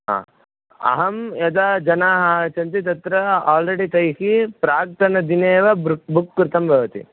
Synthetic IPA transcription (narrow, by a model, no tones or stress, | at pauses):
ɦã̰ː | ɐ̰ɦɐmjɐd̪aːd͡ʒɐnaːɦaːt͡ʃɐnt̪̬it̪̬ɐt̪ɾɐaːlɾeɽit̪ɐjhipɾaːk̚t̪ʰɐnɐd̪ineːʋɐbukːɾt̪ʰɐmbʱɐʋɐt̪ḭ